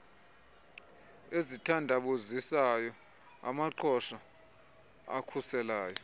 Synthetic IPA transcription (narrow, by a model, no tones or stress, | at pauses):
ezitʰandʱaɓozisajɔ | a̰maǃʰɔʃa | a̰kʰusɛlaːjɔ